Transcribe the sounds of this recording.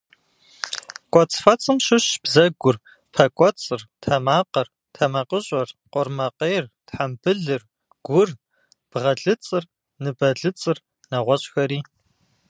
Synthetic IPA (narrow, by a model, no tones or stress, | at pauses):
kʷʼɔt͡sʼfɐt͡sʼɨmʃɪɕb̥zɐɡʷʊr | pʰɐkʷʼɔt͡sʼɨrtʰɐmaːqɐr | tʰɐmɐqəɕʼɐrqʷɔrmɐqejːrtħambɨɮɨr | ɡ̥ʷʊr | b̥ʁɐɮɨt͡sʼɨr | nɨbɐɮɨt͡sʼɨr | nɐʁʷɔɕʼxɐɾiː